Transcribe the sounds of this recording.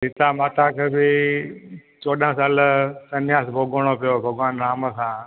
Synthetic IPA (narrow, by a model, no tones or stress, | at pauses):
ɦɪt̪amaːt̪ʰakʰeːbɪ | t͡ʃoːɗãːsaːlsənjaːsbʱoɡɽ̃opɪjoːbʱəɡʋaːnɾaːməsãː